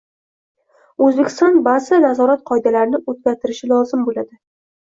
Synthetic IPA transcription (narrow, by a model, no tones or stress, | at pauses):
ɵzbekʲʰɪ̥st̪ɒnbazanazɒɾat̪qʰɒjd̪alaɾɪnɪot̪̚ɡʲaɾt̪ʰɪɾɪʃɪlˠɒzɪmbolad̪ɪ